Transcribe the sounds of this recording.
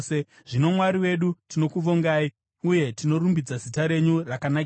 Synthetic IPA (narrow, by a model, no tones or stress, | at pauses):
se | ʐ̥ino̞mwaɾiwe̞ɗutino̞kuʋoŋɡaːi | uje̞tino̞rumbid͡zazitaɾe̞ɲurakanak